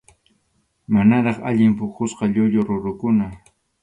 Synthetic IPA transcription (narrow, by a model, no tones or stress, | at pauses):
manaɾɑχa̰ʎɪmpʊkʊsqɑʎʊʎoɾʊɾʊkʊna